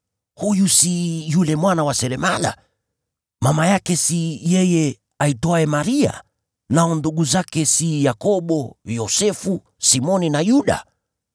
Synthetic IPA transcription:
hujusijulɛmwanawasɛɾɛmala̰ | mamajakɛsijɛjɛ | aitɔaɛmaɾia̰ | naɔnduɠuzakɛsijakɔɓɔjɔsɛfu | simɔninajuɗa̰

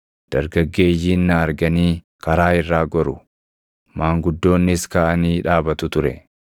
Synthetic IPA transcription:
d̪̥ɐɾɡɐɡːe̞ːjiːnːɐːɾɡɐniː | kɐɾaːɪrːaːɡɔɾʊ | maːŋɡʊd̪ːo̞ːnːɪskaːʔɐniːᶑaːbɐt̪ʊt̪ʊɾɛ̰

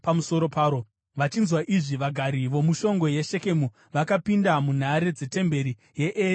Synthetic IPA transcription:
pamuso̞ɾo̞paːɾo̞ | ʋat͡ʃinzwaʔiʐiʋaɡʱaɾiʋo̞muʃo̞ŋɡo̞jeʃe̞ke̞mu | ʋakapindamun̤aɾe̞d͡ze̞te̞mbe̞ɾi | je̞ʔe

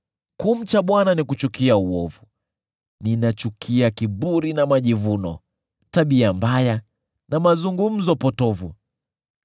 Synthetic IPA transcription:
kum̩t͡ʃaɓwananikut͡ʃukiauɔvu | ninat͡ʃukʰiakiɓuɾinamaʄivunɔ | taɓiambaja | namazuŋɡum̩zɔpɔtɔvu

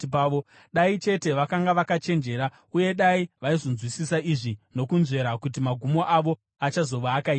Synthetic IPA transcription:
pːo | ɗait͡ʃe̞te̞ʋakaŋɡaʋakat͡ʃe̞nd͡ʒe̞ːɾa | uje̞ɗaiʋaizo̞nzwisisaiʐino̞kunze̞ɾakut̬imaɡʱumo̞ʔaʋo̞ | at͡ʃazo̞ʋaːkaiːa

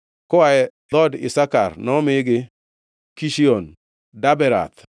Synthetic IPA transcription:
kʊaɛdɔdɪ̰saka̰ɾnɔmɪɡɪ | kiʃiɔn | dabɛɾa̰t̪

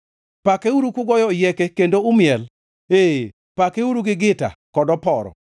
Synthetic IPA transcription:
pakeuɾukuɡɔjɔjɛkekendoʊmjɛl | e | pakeuɾuɡɪɡɪta̰kɔdɔpɔɾɔ̰

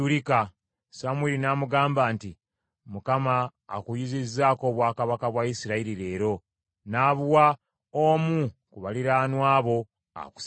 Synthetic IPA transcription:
ulika | samwilinaːmuɡaːmbaːnti | mukama̰ːkujizizːaːko̞ːβwaːkaβakaβwaisiɾaiɾiɾe̞ːɾo̞ | naːβuwa | omukuβaliɾaːnwaːβo̞ | a̰ku̥s

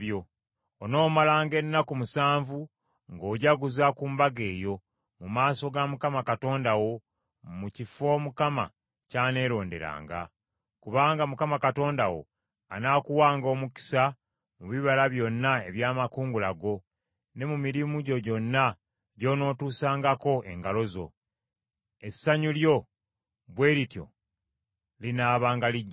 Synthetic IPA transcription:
jo̞ː | no̞ːmalaːŋɡe̞nːakumusaːɱvu | ŋɡo̞ːɟaɡuzakuːmbaɡe̞ːjo̞ | mumaːso̞ɡamukamakato̞ːndawo̞ | mucifo̞ːmukama̰ | caːne̞ːɾo̞ːnde̞̰ɾa̰ːŋɡa̰ | kuβaːŋɡamukamakato̞ːndawo̞̰ | a̰naːkuwaːŋɡo̞ːmuki̥sa | muβiβalaβjo̞nːae̞βjaːmakuːŋɡulaɡo̞ | ne̞mumiɾimuɟo̞ɟo̞nːa | ɟo̞ːno̞ːtuːsaːŋɡako̞ʔe̞̰ŋɡalo̞zo̞̰ | e̞sːaɲuljo̞ | βwe̞ːɾitjo̞̰ | linaːβaːŋɡaliɟːa

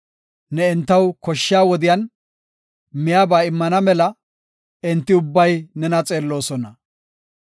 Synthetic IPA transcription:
nɛɪnt̪ːɐwkɔʃːɪjaːwɔd̪ɪjɐn | mɪjaːbaːɪmːɐnɐmɛlɐ | ɪnt̪ːɪʊbːɐjnɛnɐt͡sʼe̞ːlːo̞ːsɔnɐ

